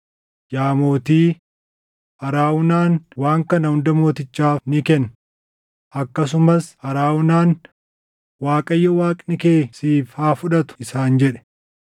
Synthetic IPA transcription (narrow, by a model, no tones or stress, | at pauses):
jaːmo̞ːt̪iː | hɐɾaːwʊnaːnwaːŋkɐnɐhʊnd̪ɐmo̞ːt̪ɪt͡ʃːaːfnɪkɛn | ʔɐkːɐs̬ʊmɐshɐɾaːʊnaːn | waːkʼɐjːɐwaːkʼnɪkeːsiːfhaːfʊᶑɐt̪ʊ̥ɪsaːnd͡ʒɛᶑɛ̥